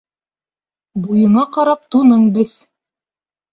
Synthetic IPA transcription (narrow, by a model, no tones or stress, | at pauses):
bujɤ̆ɴɑqɑɾɑp̚t̪unɤɴbɘz